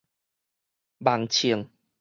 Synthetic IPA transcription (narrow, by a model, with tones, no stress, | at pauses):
ba˨˩ŋt͡ɕʰi˨˩əŋ